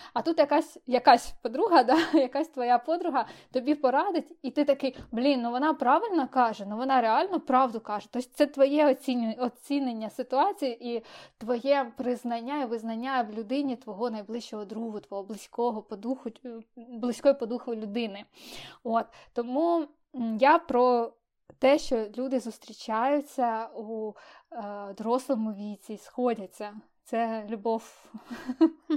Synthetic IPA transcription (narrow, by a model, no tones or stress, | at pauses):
ɐt̪ut̪jɐkɑsʲjɐkɑsʲpɔd̪ɾuɦɐd̪ɑjɐkɑsʲt̪ʋɔjapɔd̪ɾʊɦɐt̪ɔbʲipɔɾɑd̪ɪtʲit̪ɪt̪ɐkɪjblʲinːuʋɔnɑpɾɑʋɪlʲnɔkɑʒɛnuʋɔnɑɾeɑlʲnɔpɾɑʋd̪ʊkɑʒɛt̪ɔsʲt̪sɛt̪ʋɔjɛɔt͡sʲiɔt͡sʲinenʲːɐsɪt̪ʊɑt͡sʲijiʔit̪ʋɔjɛpɾɪznɐnʲːajɛʋɪznɐnʲːaʋlʲʊd̪ɪnʲit̪ʋɔɦɔnɐjblˠɪʃt͡ʃɔɦɔd̪ɾuɦʊt̪ʋɔɦɔblˠɪsʲkɔɦɔpɔd̪uxʊblˠɪsʲkɔjipɔd̪uxʋɪlʲʊd̪ɪnɪɔt̪ːɔmu | japɾɔ | t̪ɛʃt͡ʃɔlʲud̪ɪzʊst̪ɾʲit͡ʃajʊt͡sʲːɐu | d̪ɔɾɔslˠɔmʊʋʲit͡sʲisxɔdʲɐt͡sʲːɐ | t̪sɛlʲʊbɔw